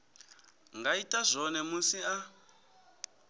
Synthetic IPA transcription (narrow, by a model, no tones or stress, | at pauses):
ŋɡaitʼazʷɔnɛmusia